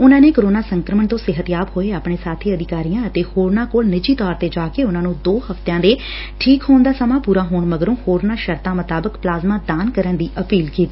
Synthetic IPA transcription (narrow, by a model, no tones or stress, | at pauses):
ʊnãːneːkəɾoːnaːsəŋkɾəməɳt̪õːsɪɦət̪jaːpɦoːeːaːpɳeːsaːt̪ʰiːəd̪ɪkaːɾijãːət̪eːhoːɾnaːkoːlnɪd͡ʒiːt̪ɔːɾt̪eːd͡ʒaːkeːʊnãːnũːd̪oːhəft̪jãːd̪eː | ʈʰiːkɦoːnd̪aːsəmãːpuːɾaːɦoːɳməɡəɾõːhoːɾnaːʃəɾt̪ãːmət̪aːbəkplaːzmãːd̪aːnkəɾənd̪iːʔəpiːlkiːt̪iː